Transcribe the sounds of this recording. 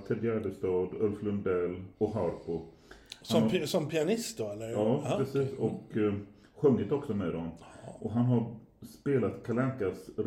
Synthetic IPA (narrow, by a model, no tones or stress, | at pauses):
t̪ʰɛd̪jæɖ̪əst̪ɑːd̪œlflɵnd̪ɛlːɔɦaɾpʊ | haɔsɔmpʰɪanɪst̪̚d̪oɛlːəɑːɾɛsiːsɔk | ɧɵŋːɪt̪ɔksɔmɛd̪ɔnʔɔɦanɦaɾ | speːlat̪kʰalɛnkasɾ